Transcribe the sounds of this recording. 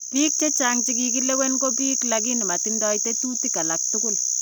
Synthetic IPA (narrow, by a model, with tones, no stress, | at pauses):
piːk̚t͡ʃe˦t͡ʃaŋt͡ʃi˦k̬i˨k̬i˦le˦we˦nɡo˦p̬iː˦klak̬i˦ni˨ma˨tindɔ˦jte˦tu˦ti˦ka˨lak̚tʊkʊl